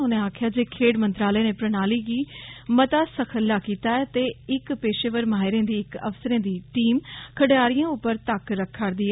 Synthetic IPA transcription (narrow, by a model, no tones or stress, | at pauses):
ʊnẽːaːkʰjaːd͡ʒeːkʰeːɽmə̃nt̪ɾaːlɛːnẽːpɾənaːliːɡiːmət̪aːsəkʰəlːaːkiːt̪aːɛːt̪eːɪkpeːʃeːʋəɾmaːɪɾẽːd̪iːɪkə̰fsəɾẽːd̪iːʈiːmkʰəɽeaːɾɪjãːʊpːəɾt̪əkɾəkʰːəɾd̪iːɛ